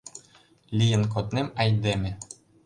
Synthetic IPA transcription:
lʲijɘ̆nk̬ot̪nemɑjd̪emʲɘ̆

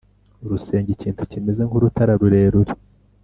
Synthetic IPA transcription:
uɾuse̞ːɲɟiciːntucimeze̞ŋhuɾutaɾaɾuɾe̞ːɾuɾe

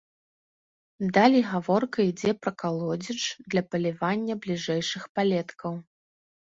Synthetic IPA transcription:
d̪alʲiɣavɔrkɐid͡zʲɛpɾɐkalˠɔd͡zʲit͡ʂd̪lʲɐpɐlʲivanʲːɐblʲiʐɛjʂɨxpalʲɛt̪kʰɐw

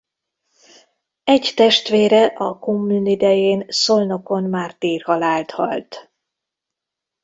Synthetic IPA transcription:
ɛɟt̪ɛʃt̪ʋeːɾɛʔɒkomːyːnid̪ɛjeːnso̞lno̞konmaːrt̪iːrhɒlaːlt̪hɒ̰lt̪

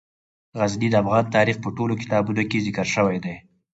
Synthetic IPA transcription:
ɣaznid̪əafɣɑnt̪ɑɾixpəʈolokɪ̥t̪ɑbunokezɪkəɾʃəwajd̪ej

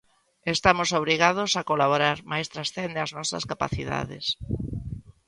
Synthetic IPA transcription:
est̪amosoβ̞ɾiɣað̞osakolaβoɾaɾmajst̪ɾasθend̪ɪaznɔsɐ̰skapa̰θiða̰ðɪ̰s

